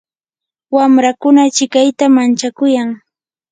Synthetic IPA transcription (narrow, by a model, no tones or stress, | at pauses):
wamɾakʊnat͡ʃɪkajt̪amant͡ʃakʊjaŋ